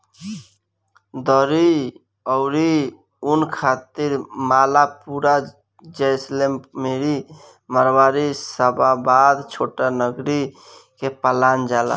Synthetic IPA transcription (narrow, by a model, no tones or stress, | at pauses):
d̪əɾi | ɔʊɾi | unkʰat̪iɾmalapuɾa | d͡ʒəjslemmeɾi | məɾbaɾisəbabad̪t͡ʃʰoʈanəɡɾi | kepəland͡ʒala̰